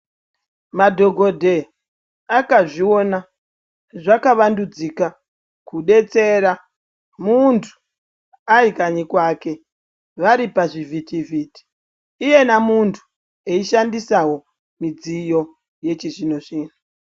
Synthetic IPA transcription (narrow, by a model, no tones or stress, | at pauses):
madʱo̞ɡʱo̞dʱe | akaʐio̞na | ʐakaʋandud͡zika | kuɗe̞t͡se̞ɾa | muntʰu̥ | aikaɲikwake̞ | ʋaɾipaʐivitiviti̥ː | je̞namuntʰu̥ | eiʃandisawo̞ | mid͡zijo̞ | je̞t͡ʃiʐinoʐiːnu